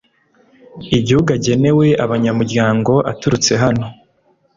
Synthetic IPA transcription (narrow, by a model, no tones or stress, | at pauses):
iɟihuɡaɟe̞ne̞we̞ʔaβaɲamuɾɟaːŋɡo̞ʔa̰tuɾut͡se̞ɦano